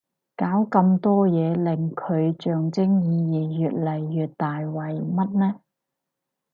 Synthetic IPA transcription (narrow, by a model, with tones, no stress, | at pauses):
kaː˨˥wkɐ˧mt̪ɔː˥jɛː˨˧lɪ˨˩ŋkʰɵ˨˧ɥt͡ʃœː˨˩ŋt͡sɪ˥ŋjiː˨˧jiː˨˩jyː˨t̚lɐ˨jːyː˨t̚t̪aː˨jwɐ˨˩jmɐ˥t̚nɛː˥